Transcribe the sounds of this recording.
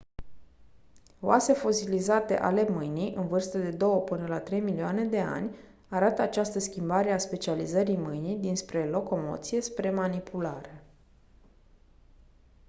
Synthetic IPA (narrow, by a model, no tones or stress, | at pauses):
oase̞fo̞silizat̪e̞̰ʔa̰le̞mɨjnijʔɨnvɨrst̪əd̪e̞d̪o̞wəpɨnəlat̪ɾe̞jmilioane̞d̪e̞a̰nʲ | aɾat̪əat͡ʃast̪əskʲimbaɾe̞aspe̞t͡ʃializəɾimɨjnijd̪inspɾe̞lo̞ko̞mo̞̰t̪sije̞spɾe̞manipʰulaɾe̞